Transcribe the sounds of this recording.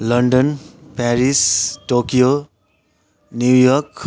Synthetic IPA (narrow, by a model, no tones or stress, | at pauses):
lʌɳɖʌnpɛɾisʈokijo | njujɔɾk